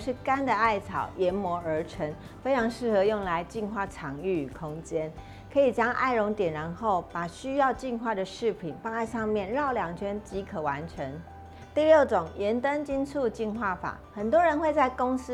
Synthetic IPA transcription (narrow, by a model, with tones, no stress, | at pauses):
ʂɻ̩˥˩ka˥nd̪ə˨a˥˩ɪt͡sʰɑ˨˩ʊjɛ˧˥nmwɔ˧˥ə˞˧˥ʈ͡ʂʰə˧˥ŋ | fe˥ɪʈ͡ʂʰɑ˧˥ŋʂɻ̩˥˩xɤ˧˦jʊ˥˩ŋla˧˦ɪt͡ɕi˥˧nxwa˥˩ʈ͡ʂʰɑ˧˥ŋy˥˩˨kʰʊ˥ŋt͡ɕjɛ˥n | kʰɤ˧˥i˨˩t͡ɕjɑ˥ŋʔa̰˥˩ɪɻʊ˧˥ŋt̪jɛ˨˩nɻa˧˦˥nxo˥˩ʊpa˨˩ɕy˥jɑ˥˧ʊt͡ɕi˥˧nxwa˥˩d̪ə˩ʂɻ̩˥˩pʰi˨˩nfɑ˥˧ŋa˥˧ɪʂɑ˥˧ŋmjɛ˥˨nɻɑ˥˩ʊljɑ˨˩ŋt͡ɕʰɥɛ˥nt͡ɕi˧˥kʰə˨˩wa˧˦nʈ͡ʂʰə˧˦ŋ | t̪i˥˧ljo˥˩ʊʈ͡ʂʊ˨˩ŋjɛ˧˥nt̪ə˦nt͡ɕi˥nt͡sʰu˥˧t͡ɕi˥˧nxwa˥˩fa̰˨˩˦xə˨˩nt̪wɔ˦˥ɻə˧˦nxwe˥˧ɪt͡sa˥˩ɪkʊ˥ŋs̩˥